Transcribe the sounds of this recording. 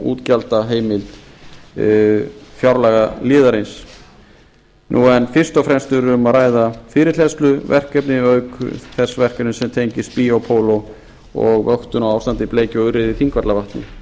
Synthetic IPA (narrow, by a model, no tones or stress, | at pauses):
ṵːt̪calt̪aɦeːjmɪlt̪ | fjawɾlɛɣalɪːðaɾɪns | nʔuːɛnfɪr̥st̪ɔfɾɛnst̪ʏɾmaɾaːjðafɪɾɪɾ̥l̥ɛst̪lʏvɛr̥kɛpnɪœːɥkʏ̰θɛsːvɛr̥kɛpnɪsɛmt̪ʰejɲcɪst̪̚piɔwpʰoːwlo | ɔ̰ɣœht̪ʏnawawfst̪ant̪ɪpleːjcɪɔɣʏrɪðɪθiŋkvaɾt̪lavaht̪nɪ̰